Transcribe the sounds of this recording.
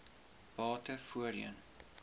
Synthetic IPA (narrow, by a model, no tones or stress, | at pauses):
b̥ɑːtəfuəɾjə̰n